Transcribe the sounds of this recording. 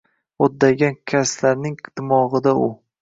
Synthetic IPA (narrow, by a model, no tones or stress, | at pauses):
ɒd̪ːajɡʲankʲʰaslaɾnɪŋt̪ʰɪmɒʁɨd̪aʊ